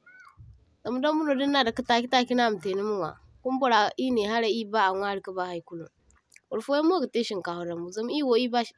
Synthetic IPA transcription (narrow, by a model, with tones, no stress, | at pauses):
za˨mu˦da˦mmu˦no˨di˦nːa˨da˨ki˦ta˦kʲi˦ta˦kʲi˦na˦˨m˨te˨ni˦mu˦ŋwa̰˨ | ku˦m˦bo˦ɾa˨ʔi˦ne˨ɦa˦ɾa˨i˦ba˦a˨ŋʷa˦ɾi˦ka˦ba˦ha˨˦jku˦lṵ˨ŋ | u˨ɾfo˦ja˦mo˦ɡa˨te˦ʃi˨ŋka˨ho˨ɾa˨mu˨za˨mu˦i˦wo˨i˦ba˦ʃ